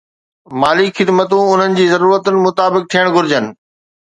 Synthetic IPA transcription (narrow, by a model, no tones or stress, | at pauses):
maːlikxɪd̪mət̪̬ũʊn̤ənɪ̆d͡ʑiːzɐɾuːɾət̪ʊnɪ̆mʊt̪aːbɪk̚t̪ʰijəɽ̃ɡʱʊɾɪd͡ʑənɪ̆